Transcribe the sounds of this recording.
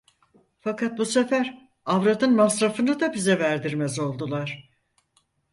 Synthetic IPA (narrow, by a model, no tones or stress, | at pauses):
fakʰat̪̚busefæɾ | avɾad̪ɯnmasɾafɯnɯd̪abizɛvæɾd̪iɾmɛzo̞lˠd̪ulˠaɾ̥